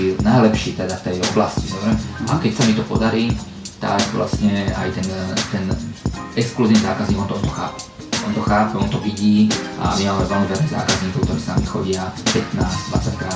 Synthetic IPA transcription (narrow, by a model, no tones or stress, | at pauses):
inajlɛpʃiːt̪ɛd̪aft̪ɛjɔblascisɔmɾɛmʔa̰kɛcsamit̪ɔpɔd̪aɾiː | t̪a̰ɡʋlʔa̰sɲɛa̰jt̪ɛnt̪ɛnɛkskluziːniza̰ːkazɲiːɡɔnt̪ɔɔnt̪ɔxa̰ːpɛ̥ | ɔnt̪ɔxaːpɛɔnt̪ɔʋiɟiːʔa̰mimaːmɛʋɛlmiʋɛlnɛza̰ːkazɲiːkɔʊkt̪ɔɾiːsna̰mixɔɟɪapɛt̪naːzd̪ʋa̰t͡sackɾa